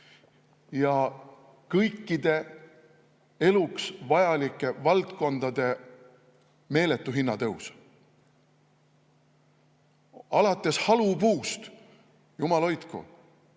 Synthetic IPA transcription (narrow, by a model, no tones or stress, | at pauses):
jɑ | kɤjkːˑid̪e̞ | e̞luksvɑjɑlikːˑe̞vɑlt̪ko̞nd̪̥ɑd̪̥e̞ | me̞ːle̞t̪ːˑuɦinːɑt̪ɤus | ɑlɑt̪ˑːe̞shɑlubuːst̪ | jumɑlo̞jt̪kṵ